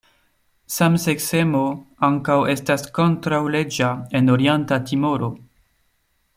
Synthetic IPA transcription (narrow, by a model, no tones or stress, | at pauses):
samsekse̞mo̞aŋkawe̞stasko̞ntɾawle̞d͡ʒae̞noɾientatimoɾo